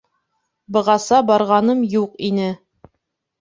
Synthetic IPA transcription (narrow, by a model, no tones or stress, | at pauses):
bɤ̆ʁɑsɑbɑɾʁɑnɤmjuqinɘ